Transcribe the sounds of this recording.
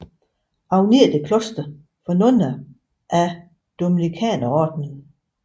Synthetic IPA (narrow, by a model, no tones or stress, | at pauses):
ʔɑ̈ʊne̝ɐd̥e̝kʰlɔsd̥ə | fɒnɔnɐ | ʔæ | d̥ominikʰɛ̰ːnɐɒːd̥nə